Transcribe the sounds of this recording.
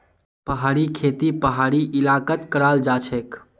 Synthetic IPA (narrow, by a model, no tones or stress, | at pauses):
pəɦaːɾikʰet̪ipəɦaɾiʔilakət̪kəɾald͡ʒat͡ʃʰɛk